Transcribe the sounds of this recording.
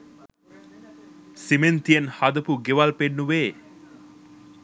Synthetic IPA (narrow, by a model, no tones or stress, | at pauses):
siment̪ijenhad̪ɐpuɡeʋalpenːuʋeː